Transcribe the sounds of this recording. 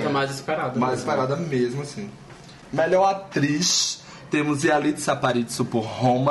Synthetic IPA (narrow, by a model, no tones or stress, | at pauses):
t̪ɐmajzispɛɾad̪ɐmajziispɛɾad̪ɐmezmʊasĩ | mɛʎɔɾat̪ɾiʃ | t̪ẽmʊzialid̪ɪ̥sapaɾit͡ʃɪ̥supoɾhõmɐ